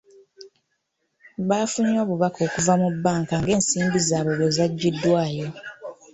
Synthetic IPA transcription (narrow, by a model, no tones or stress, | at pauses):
βaːfuɲo̞ːβuβakʰo̞ːkuvamubːaːŋkaŋɡe̞ːnsiːmbizaːβoβozaɟːidːwaːjo̞